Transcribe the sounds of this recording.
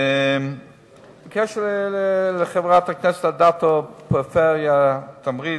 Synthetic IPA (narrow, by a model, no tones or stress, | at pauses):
m | kʰɛʃəllləχevʁat̪aknɛsɛ̥thadatopəfɛʁjat̪ʰamʁi